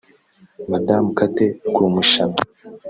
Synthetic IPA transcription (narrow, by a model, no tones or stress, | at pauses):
madamkatekuːmuʃana